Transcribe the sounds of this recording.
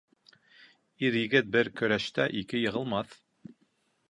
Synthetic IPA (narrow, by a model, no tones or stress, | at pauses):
iɾjɘ̆ɡɘt̪̚bɘɾkɵ̆ɾæʃt̪æʔikɘjɤ̆ʁɤ̆lˠmɑθ